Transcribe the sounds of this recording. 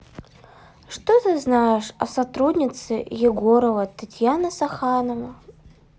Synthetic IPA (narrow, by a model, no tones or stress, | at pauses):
ʂt̪ot̪ɨznajɪʂɐ̰sɐt̪ɾudʲnʲɪt̪sɨjɪɡoɾəvət̪atʲjanəsɐxanəvə